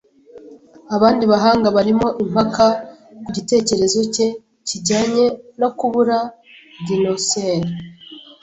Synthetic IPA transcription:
aβaːndiβaɦaːŋɡaβaɾimo̞ʔim̥hakakuɟite̞ːce̞ɾe̞zo̞ce̞ | ciɟaːɲe̞no̞kuβuɾa | dinoseɾi

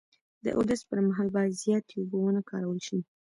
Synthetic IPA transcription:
d̪ə̰ʔo̰d̪aspəɾmaɦɑlbɑjad̪zjɑt̪eubowənakɑ̰ɾawəlʃi

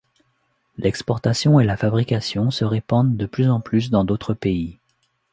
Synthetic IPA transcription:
lɛkspɔʁt̪asjɔ̃elafabʁikʲasjɔ̃səʁepɑ̃d̪d̪əplyzɑ̃plys̬d̪ɑ̃d̪ot̪χəpei

